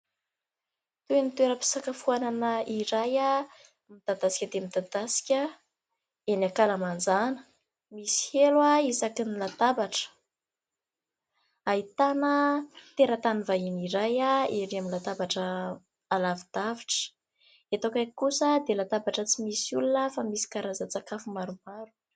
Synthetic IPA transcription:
t̪uenit̪ueɾəpi̥sakəfuananəiɾaja | mid̪̥ad̪asi̥kʲəd̪emid̪ad̪asi̥kʲə | enakalamand͡zanə̥ | misi̥helwaisakinilat̪abaʈ͡ʂə̥ | ait̪anət̪eɾət̪anivaɦiniɾajaeɾiaminlat̪abaʈ͡ʂə | alavid̪̥aviʈ͡ʂə̥ | et̪okʲakusəd̪elat̪abaʈ͡ʂət͡simisulunəfamisi̥kaɾazat͡sakafumaɾumaɾu̥

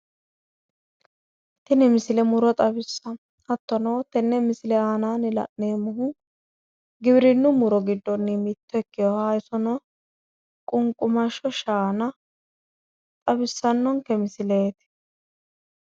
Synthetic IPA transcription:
t̪ɪnɪmɪsɪlɛmʊɾɔt̪ʼɐbɪsːɐ | ɐt̪ːɔnowt̪ɛnːɛmɪsɪlɛaːnaːnɪlɐ̰ʔneːmʊhʊ | ɡɪbɪɾɪnːʊmʊɾɔɡɪd̪ːɔnːɪmɪt̪ːɔɛkːɪjɔhaːjɪsɔnɔ | kʼʊŋkʼʊmɐʃɔʃaːnɐ | t̪ʼɐbɪsːɐnːɔŋkɛmɪsɪle̞ːt̪ɪ̥

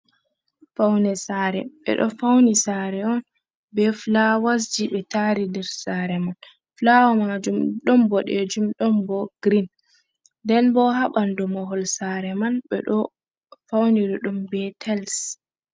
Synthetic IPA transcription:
fawnɛsaɾɛ̰ɓɛ̰ɗɔ̰fawnisaɾɛɔn | bɛflawas̬d͡ʒiɓɛtaɾidɛɾsaɾɛman | flaɔmad͡ʒumɗɔmbɔɗed͡ʒumɗɔmbɔɡ̥ɾin | dɛnbɔɦaɓandɔmɔɦɔlsaɾɛmanɓɛ̰ɗɔ | fawniɾɔɗumbɛtʰɛls

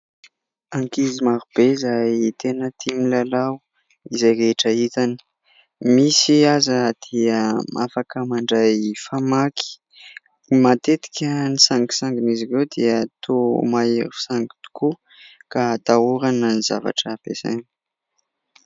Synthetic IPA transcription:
aŋkizimaɾub̥eizajt̪enət̪ʰimilalaw | izajɾeʈ͡ʂait̪ani̥ | misiazəd̪̥iəmʔafakəmaɳɖ͡ʐajfamaki̥ | mat̪et̪i̥kʲənisaŋki̥saŋɡinizirewd̪iət̪ʰomaeɾu̥saŋɡi̥t̪u̥ku | kat̪auɾanəniza̰va̰ʈ͡ʂəpesa̰ni

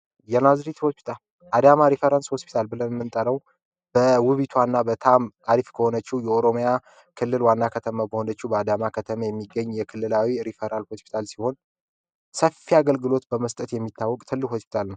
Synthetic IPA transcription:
jɛnazɾit̪ho̞spʰi̥t̪ʰal | ʔad̪amaɾifəɾansho̞spʰi̥t̪ʰalbɨlənmɨnt̪ʼəɾəw | b̥əwɨβit̪ʰwanːabət̪ʰamaɾifkʰəho̞nət͡ʃːihjɛoɾo̞mja | kʰɨlːɨlwanːakʰət̪ʰəmabəho̞nət͡ʃːubəad̪amakʰət̪ʰəməjɛmːiɡːəɲːjɛkʰɨlːɨlawiɾifəɾanlho̞spʰi̥t̪ʰalsiho̞n | səfːiaɡəlɡɨlo̞t̪bəməst̪ʼət̪jɛmːit̪ʰːawːɔkʼt̪ʰɨlːɨkho̞spi̥t̪ʰalnəw

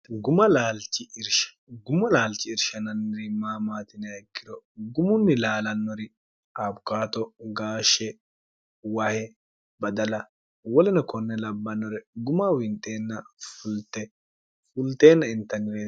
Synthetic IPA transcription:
ɡʊmɐlaːlt͡ʃːɪɪɾʃ | ɡʊmɐlaːlt͡ʃːɪɪɾʃɐnɐnːɪɾɪmaːmaːt̪ɪnɪɐɛkːɪd̪ɔɡʊmʊnːɪlaːlɐnːɔɾɪ | abkaːt̪ɔɡaːʃːɛ | wahɛ | bɐd̪ɐlɐ | wɔlɛnɐkɔnːɛlɐbːɐnːɔɾɛɡʊmawɪnt̪ʼːe̞ːnːɐfʊlt̪ːɛ | fʊlt̪e̞ːnːɐɪnt̪ɐnɪle

